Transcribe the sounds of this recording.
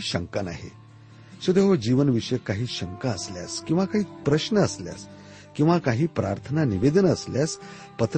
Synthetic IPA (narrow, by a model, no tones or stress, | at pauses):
ɕəŋkana̰ɦḛ | sod̪eɦod͡ʑiʋənʋiʂəjkaɦiːɕəŋkaəslja̰skĩw̃ʋakaɦiːpɾəɕnəəslja̰s | kĩw̃ʋakaɦiːpɾaɾt̪ʰənaniʋed̪ənəsljas | pət̪ɾ